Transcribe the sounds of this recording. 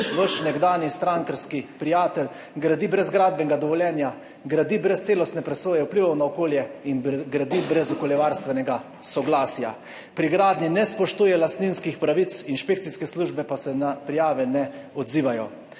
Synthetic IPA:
ʋəʃnɛɡd̪aːnjist̪ɾaŋkəɾskipɾijaːt̪ɛl | ɡɾad̪ibɾɛzɡɾaːd̪bɛŋɡad̪ɔʋɔljɛːnja | ɡɾad̪ibɾɛst̪seːlɔst̪nɛpɾɛsoːjɛwpliʋawnaɔkoːljɛinɡɾad̪ibɾɛzɔkɔljɛʋaɾst̪ʋɛnɛɡa | sɔɡlaːsja̰ | pɾiɡɾaːd̪ninɛspɔʃt̪uːjɛlast̪ninskixpɾaʋit̪sinʃpekt̪siskɛsluːʒbɛpasɛnapɾijaːʋɛnɛɔd̪ziːʋajɔ

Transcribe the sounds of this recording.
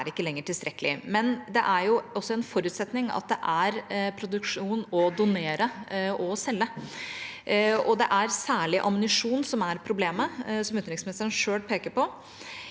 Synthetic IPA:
æɾɪkːəlɛŋːəʈʰɪlst̪ɾɛkːəlɪ̰mɛnd̪ɛʔæɾjʊɔsːɔɛnfɔɾʉːt̪sɛt̪nɪŋɑ̰t̪̚d̪ɛʔæɾpʰɾʊd̪ʉkʂuːnɔd̪ʊneːɾəʔɔsɛlːə | ɔd̪ɛʔæɾsæːɭɪʔɑmʊnɪʂuːnsɔmæɾpʰɾʊbleːməsɔmʉt̪nɾɪŋsmɪnɪst̪əɾənʂøːlpʰeːkəɾpɔ

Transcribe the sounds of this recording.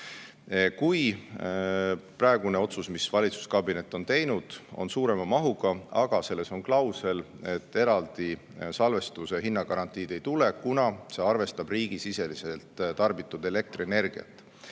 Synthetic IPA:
kuj | prɑe̞ɡ̥une̞o̞t̪susmisvɑlʲit̪su̥skɑbine̞t̪ːˑo̞nt̪e̞jnud̪̥o̞̰nsuːɾe̞mɑmɑɦuɡ̥ɑɑɡ̥ɑse̞lːe̞so̞ŋklɑwse̞l | e̞t̪ːe̞ɾɑld̪̥i | sɑlve̞st̪use̞ɦinːɑɡɑɾɑnt̪ˑiːd̪̥e̞jt̪ule̞kunɑse̞ɑrve̞st̪ɑb̥riːɡ̥isise̞lise̞lt̪t̪ɑrbit̪ːˑud̪̥e̞le̞k̚t̪roene̞rɡ̥iɑ̰t̪ːˑ

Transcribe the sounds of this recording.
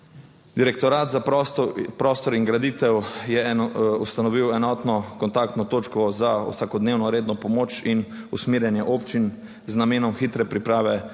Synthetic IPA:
d̪iɾɛkt̪ɔɾaːt̪za | pɾɔːst̪ɔɾiŋɡɾad̪it̪ɛwjɛust̪anɔʋiwɛnɔːt̪nɔkɔnt̪ak̚t̪nɔt̪oːt͡ʃkɔzaṵsakɔd̪neːwnɔɾeːd̪nɔpɔmoːt͡ʃin | usmiːɾjɛnjɛʔoːpt͡ʃin | znameːnɔmxiːt̪ɾɛpɾipɾaːʋɛ

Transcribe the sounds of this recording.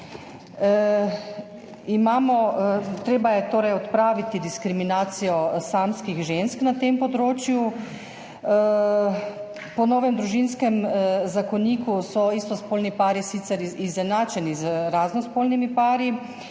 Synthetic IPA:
imaːmɔt̪ɾeːbajɛt̪oːɾɛjɔt̪pɾaːʋit̪id̪iskɾiminaːt̪sijɔsaːmskiɣʒensknat̪empɔd̪ɾoːt͡ʃju | pɔnɔːʋɛmd̪ɾuʒinskɛmzakɔniːkusɔist̪ɔspoːlnipaːɾisit̪sɛɾizɛnaːt͡ʃɛnizɾaːznɔspoːlnimipaːɾi

